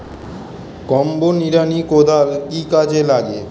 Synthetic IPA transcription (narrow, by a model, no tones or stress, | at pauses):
kɔmboniɾanikod̪ʱalkikad͡ʑelaɡe